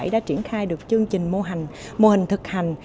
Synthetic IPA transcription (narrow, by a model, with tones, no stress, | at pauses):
jɗa̰ː˧˥t͡ɕi˧˩ənxaː˧jɗɨ˨˩ək̚t͡ɕɨ˧əŋt͡ɕï˨˩ŋ̟mo˧ɦa˨˩jŋ̟mo˧hï˨˩ŋ̟t̪ʰɨ˨˩k̚ha˨˩jŋ̟